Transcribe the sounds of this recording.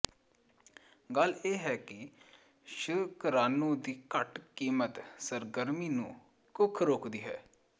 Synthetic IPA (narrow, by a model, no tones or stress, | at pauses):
ɡəleːɦɛːkɪ | ʃʊkəɾaːnõːd̪iːkəʈkiːmət̪səɾɡəɾmiːnṵ̃ː | kʊkʰɾoːkd̪iːɦɛ̰ː